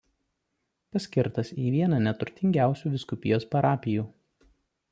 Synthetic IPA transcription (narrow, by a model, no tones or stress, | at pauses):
pɐsʲkʲɪɾt̪ɐsiːʋʲiɛnɑnʲɛt̪ʊɾʲt̪ʲɪŋʲɡʲæˑʊsʲuːd̪ʲɪskʊpʲɪjoːspɐɾɑːpʲɪjuː